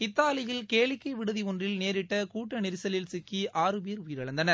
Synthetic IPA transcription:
ɪt̪ːaːlɪjɪlkeːlɪkːɐɪʋɪɽɯðiɔndrɪlneːɾɪʈːɐkuːʈːɐnɪɾɯsɐlɪlsɪkːiʔaːɾɯp̬eːɾʊjɪɾɐɭɐnd̪ɐnɐɾ

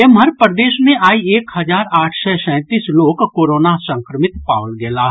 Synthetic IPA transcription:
emɦəɾpəɾd̪eːʃmẽʔaːieːkhɐzaːɾaːʈʰsɛsɛ̃ːt̪iːsloːkkoːɾoːnasə̃ŋkɾəmɪt̪paːʋlɡɛːlaː

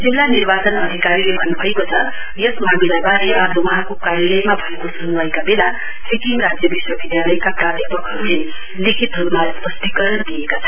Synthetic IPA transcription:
d͡zilːanirbat͡sʌnʌd̪ʱikaɾilebʱʌnːubʱʌekot͡sʰʌ | jʌsmamilabaɾeʌblowʌɦãkokaɾjʌlʌjmabʱʌekosʌnuwajkabela | pʰekiŋrad͡zjʌbiswʌbid̪jalʌjkaprad̪ʱipʌkʰʌle | likʰit̪ruɾmaspʌst̪ikʌɾʌnd̪iekat͡sʰʌ

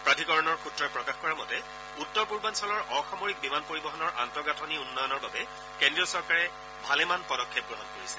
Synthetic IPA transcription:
pɹatʰikɔɹɔnɔɹxutɹɔɛpɹɔkaxkɔɹamɔtɛ | utːɔɹpuɹbansɔlɔɹɔxɔmɔɹik̚bimanpoɹibɔɦɔnɔɹʔantɔɡatʰɔniunːɔjɔnɔɹbabɛ | kendɹiɔsɔɹkaɹɛ | bʱalɛmanpɔɾɔkʰːɛp̚ɡɹɔɦɔnkoɹisɛ̥

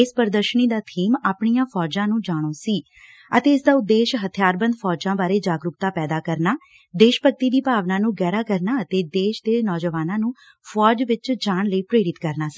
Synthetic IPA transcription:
ɪspəɾd̪əɾʃəniːd̪aːt̪ʰiːmaːpɳijãːpʰɔːd͡ʒãːnũːd͡ʒaːɽ̃oːsiː | ə̰t̪eːɪsd̪aːʊd̪ːeːʃɦət̪ʰjaːɾbə̃nd̪pʰɔːd͡ʒãːbaːɾeːd͡ʒaːɡɾʊkt̪aːpɛːd̪aːkəɾnaː | d̪eːʃpək̚t̪iːd̪iːpaːʋnãːnũːɡɛːɾaːkəɾnaːət̪eːd̪eːʃd̪eːnɔːd͡ʒəʋaːnãːnũː | pʰɔːd͡ʒʋɪt͡ʃd͡ʒaːɳləiːpɾeːɽɪt̪kəɾnaːsi̥ː

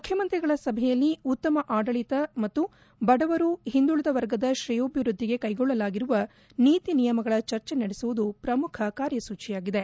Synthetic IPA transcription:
mukʰjɐmɐnt̪ɾiɡɐɭɐsɐbʱɛjɐlːiut̪ːɐmɐʔaːɖɐɭit̪ɐmɐt̪ːu | bɐɽɐʋɐɾuɦind̪uɭɐd̪ɐʋɐɾɡɐd̪ɐʃɾijoːbʱiʋɾud̪ʱːiɡe̞kɐjɡɔɭːɐlaːɡiɾuʋɐ | niːt̪inijɐmɐɡɐɭɐt͡ʃɐɾt͡ʃenɐɽesuʋud̪upɾɐmukʰɐkaːɾjɐsuːt͡ʃijaːɡid̪e

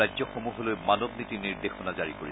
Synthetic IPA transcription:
ajzɔxomuɦɔlojmanɔbnitiniɹd̪exɔnazaɹikoɹi

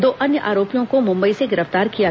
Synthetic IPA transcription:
d̪oːʔɐnjəʔaːɾoːpijõkomʊ̃mbəiseɡɪɾəft̪aːɾkija

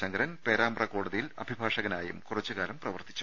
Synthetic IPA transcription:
ɕɐŋɡɐɾɐnpeːɾaːmrɐkoːɽuðɐjilɐ̰bʱibʱaːʂɐɣɐnaːjṵmkurɐt͡ɕːuɣaːlɐmprɐʋɐrt̪i̥t͡ɕːu̥

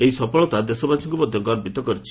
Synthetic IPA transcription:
eɦisɔpɔɭɔt̪ad̪esɔbasɔŋkumɔd̪ʱjɔɡɔɾbit̪ɔkɔɾit͡ʃʰi̥

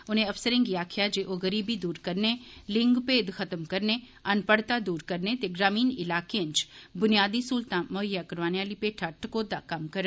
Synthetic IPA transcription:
ʊnẽɐfsəɾẽŋɡiaːkʰijad͡ʒeːʔoɣəɾiːbid̪uːɾkɐɾnelɪ̃ŋɡpeːd̪xɐt̪əmkɐɾne | ɐnpəɽt̪ad̪uːɾkɐɾnet̪eɡɾaːmiːnɪlaːkeə̃nt͡ʃbʊnijaːd̪isuːlt̪ãmʊɦəjːakɐɾʋaːneaːlipeːʈʰɐʈkoːd̪akɐmkɐɾə

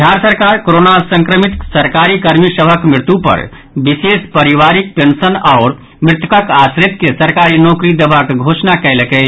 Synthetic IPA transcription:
d̪ʱjaɾsəɾkaɾkoɾonasə̃ŋkɾəmit̪səɾkaɾikəɾmisəbʱəkmɾɪt̪upə̰ɾ | bisespəɾiʋaɾik̚pensənaʊɾ | mɾɪt̪əkəkasɾit̪kesəɾkaɾinokɾid̪ebʱakɡʱosnakɛɪləkɛ

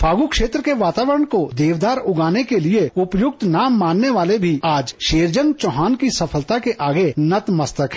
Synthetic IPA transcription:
pʰaːɡukʃeːt̪ɾəkeʋaːt̪aːʋəɾəɳ̃kod̪eːʋd̪aːɾʊɡaːnekelieʊpjʊk̚t̪naːmːãːnːeʋaːlebʱiaːd͡ʒʃeːɾd͡ʒənt͡ʃɔːɦaːnkisɐpʰəlt̪akeʔaːɡenɐt̪mɐst̪əkɦ

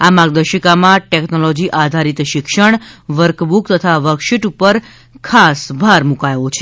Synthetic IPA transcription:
amaɡ̚d̪əʃəkamãʈeknolɔd͡ʒiʔad̪ʱaɾit̪ʃɪkʃəɳ̃ʋəɾkbukt̪ət̪ʰaʋəkʃiʈupəɾ | kʰasbʱaɾmukajot͡ʃʰe

